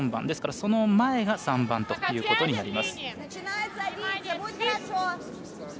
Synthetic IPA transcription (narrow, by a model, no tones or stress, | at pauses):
mbã̰nd̪e̞sɨ̥kaɾaso̞no̞mae̞ɡasãmbãnt̪o̞t̪ːjɯ̟ːko̞t̪o̞ɲinaɾʲimasɨ̥n | najt̪sɐ | o